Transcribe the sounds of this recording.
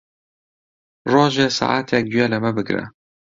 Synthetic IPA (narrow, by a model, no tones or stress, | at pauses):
roːʒeːsa̰ʔaːt̪ʰjɛk̚d̪wjɛlɨmɛbɨɡɾɛ̰